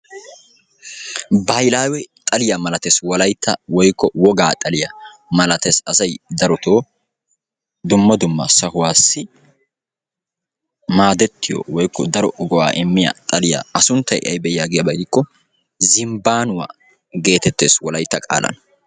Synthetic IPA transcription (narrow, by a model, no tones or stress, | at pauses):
bajlaːwɛt̪ʼɐlɪjamɐlɐt̪eswɔlɐjt̪ʰːɐ̰wɔjkːɔwɔɡaːt̪ʼɐlɪja | mɐlɐt̪esɐsɐjd̪ɐɾɔt̪ʰo̞ː | d̪ʊmːɐd̪ʊmːɐ̰sɐhʊwaːsːɪ | maːd̪ɛt̪ːɪjo̰ːwɔjkʰːɔd̪ɐɾɔɡɔwa̰ːʔɛmːɪja̰t̪ʼɐlɪja̰ːɐsʊnt̪ːɐjʔɪ̰ʔɐ̰jbɛjjaːɡɪjɐbɐɪkːɔ | zɪmbaːnʊwa̰ː | ɡe̞ːt̪ɛt̪ːeːswɔlɐjt̪ːɐkʼa̰ːlɐ̰n